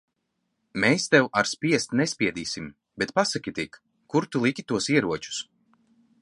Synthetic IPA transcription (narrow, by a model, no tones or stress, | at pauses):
mɛːst̪ɛwaɾspʲiɛst̪nɛsʲpʲiɛd̪iːsim | bɛt̪pasakʲit̪ik | kːuɾt̪ulˠikʲit̪uɔsiɛɾuɔt͡ʃu̥s